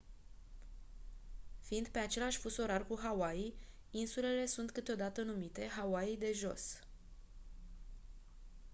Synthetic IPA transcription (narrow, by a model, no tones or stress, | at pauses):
fiind̪pe̞at͡ʃe̞laʃʲfuso̞ɾarkuɦawai | insule̞le̞sunt̪kɨt̪eo̞d̪at̪ənumit̪e̞ɦawaid̪e̞ʒo̞̰s